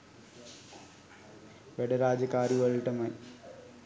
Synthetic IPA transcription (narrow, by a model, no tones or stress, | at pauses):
ʋeɽɐɾaːd͡ʑɐkaːɾiʋɐɻiʈːɐmaj